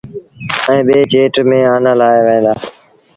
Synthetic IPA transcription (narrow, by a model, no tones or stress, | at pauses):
ɛ̃ːɓeːt͡ʃeːʈmẽːaːnãːlaːeːʋəẽːd̪aː